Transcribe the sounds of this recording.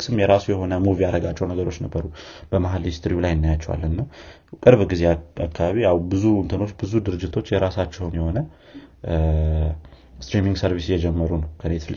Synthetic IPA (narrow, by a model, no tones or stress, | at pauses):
sɨmjɛɾasujɛho̞nəmuvijaɾəɡat͡ʃːɛwnəɡəɾo̞t͡ʃːnəbːəɾub̥əmaɦalist̪ʰɾiulajɪnːajat͡ʃːɛwa̰lːənːəw | kʼɨɾβɡizeakʰːaβaβiawbɨzuɨnt̪ʰɨno̞t͡ʃːbɨzud̪ɨɾɨd͡ʒːɪt̪ʰo̞t͡ʃːjɛɾasat͡ʃːɛwnjɛho̞nə | st̪ɾimiŋɡsəɾβisjɛd͡ʒɛmːəɾunəwkʰənet̪l